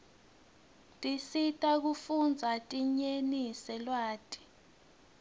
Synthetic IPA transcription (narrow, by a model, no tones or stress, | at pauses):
tʼisitʼak̬ufund͡zʱatʼiɲenisɛlwaːtʼi̥